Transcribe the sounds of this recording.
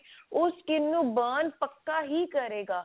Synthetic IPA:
ʊskɪnːũbaːnpəkːaɦikəɾeːɡaː

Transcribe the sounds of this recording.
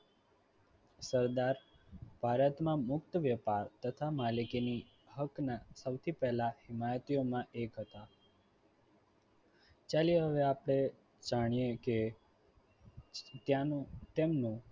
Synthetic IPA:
səɾd̪aɾ | b̥ʱaɾət̪mãmʊkt̪əʋjəpaɾt̪ət̪ʰamalikini | ɦəknasəwt̪ʰipɛɦlahɪmajət̪ijomãʔekɦət̪a | t͡ʃalieɦəʋeapɽ̃e | d͡ʒaɽ̃ieke | t̪jãnt̪emnũ

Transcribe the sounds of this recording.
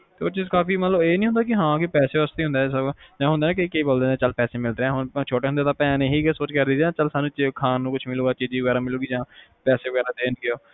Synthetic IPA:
t̪eːoːɾt͡ʃiːzkaːfiːmət̪ləbeːnĩːɦʊ̃nd̪aːkɪɦãːkɪpɛːseːəst̪iːɦʊ̃nd̪aːsəd͡ʒãːɦʊnd̪eːnãːkekeiːboːld̪eːnẽːt͡ʃəlpɛːseːmɪlɾeɛ̃ːɦʊnt͡ʃʰoːʈeːɦʊnd̪eːt̪ãːpɛ̃ːneːɦiːkːsoːt͡ʃkəɾd̪iːd͡ʒãːt͡ʃəlsaːnːũːt͡ʃkʰaːnːũːkʊt͡ʃʰmɪluːɡaːt͡ʃiːd͡ʒiːʋəɡɛːɾaːmɪluːɡiːd͡ʒãːpɛːseːʋəɡɛːɾaːd̪eːnkɪjoː

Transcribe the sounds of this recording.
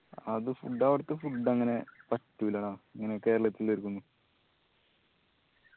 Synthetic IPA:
ɐðɨfuɖːaːʋiɽɨt̪ːɨfuɖːɐŋːɐne̞pɐtːuʋilaːɳaːɐŋːɐneke̞ːɾɐɭɐt̪ːileɾukːunːu

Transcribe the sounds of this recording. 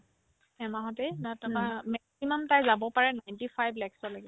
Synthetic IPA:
ɛmaɦɔtejnatɔamɛksimamtajzabɔpaɹɛnajntifʰajblɛksɔlaɡɛ

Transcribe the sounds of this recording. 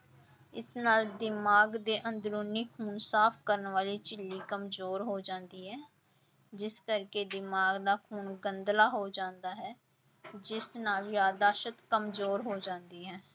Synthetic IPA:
ɪsnaːld̪ɪmaːɡd̪eːʔənd̪ɾuːniːkʰuːnsaːpʰkəɾənʋaːliːt͡ʃɪlːiːkəmzoːɾɦoːd͡ʒãːnd̪iːɦɛː | d͡ʒɪskəɾkeːd̪ɪmaːɡd̪aːkʰuːnɡənd̪laːɦoːd͡ʒãːnd̪aːɦɛː | d͡ʒɪsnaːljaːd̪aːʃət̪kəmzoːɾɦoːd͡ʒãːnd̪iːɦɛː

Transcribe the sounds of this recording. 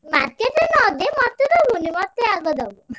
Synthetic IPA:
maɾkeʈenɔd̪emɔt̪ːed̪ɔbunimɔt̪ːeaɡɔd̪ɔbu

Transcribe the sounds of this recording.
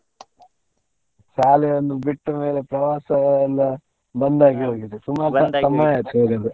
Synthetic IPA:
saːlɛjɐnːubiʈːɐme̞ːlepɾɐʋaːsɐlːɐ | bɐnd̪aːɡiɦoːɡid̪usumaːɾɐsɐmːaːjɐt̪oːɡɐd̪e

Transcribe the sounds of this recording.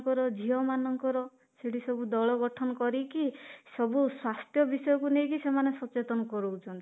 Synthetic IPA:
ŋkɔɾɔd͡ʒiɦɔmanɔŋkɔɾɔ | seʈisɔbud̪ɔɭɔɡɔʈʰɔnɔkɔɾikisɔbuswast̪jɔbisɔjɔkunejkisemanesɔt͡ʃet̪ɔnɔkɔɾuwt͡ʃʰɔnt̪i

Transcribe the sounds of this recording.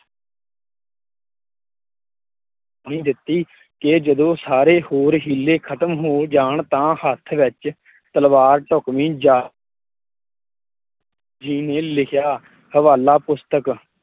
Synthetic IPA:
ɳĩːd̪ɪt̪ːiː | ked͡ʒəd̪õːsaːɾeːhoːɾɦiːlːeːkʰət̪əmɦoːd͡ʒaːɳt̪ãːhət̪ʰʋɪt͡ʃ | t̪əlʋaːɾʈʊkmĩːd͡ʒa | d͡ʒiːnẽːlɪkʰjaː | həʋaːlaːpʊst̪ək

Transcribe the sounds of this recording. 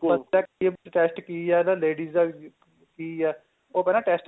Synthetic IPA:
əaːkeʈeːsʈkiːɛːnãleːɖiːza | kiːɛː | oːpɛːnaːʈɛːsʈ

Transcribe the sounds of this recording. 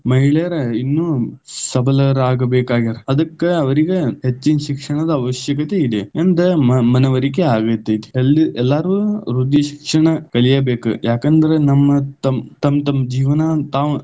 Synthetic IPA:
mɐɦiɭeɐɾɐinːuːsɐbʱɐlɐɾaːɡɐbeːkaːɡiɾɐɐd̪ɐkːeɐʋɐɾiɡehet͡ʃːinɐʃikʂɐɳɐd̪ɐːʋɐʃjɐkɐt̪eid̪eend̪ɐmɐneʋɐɾikeaːɡɐt̪ːɐd̪e̥elːiɛlːaːɾuɾud̪ːiʃi̥kʂɐɳɐkɐɭijɐbeːkṵjaːkɐnd̪ɐɾenɐmːɐt̪ɐmt̪ɐmt̪ɐmːɐd͡ʒiːʋɐnɐt̪aːʋ

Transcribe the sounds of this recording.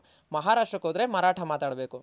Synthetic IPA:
mɐɦaːɾaːʂʈɾɐkɦoːd̪ɐɾemɐɾaːʈʰɐmaːt̪aːɽɐbeːku

